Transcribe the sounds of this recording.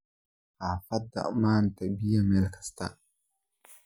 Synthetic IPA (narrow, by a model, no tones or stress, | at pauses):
afada̰ʔmaːntabijamɛlkʰḁst̪a̰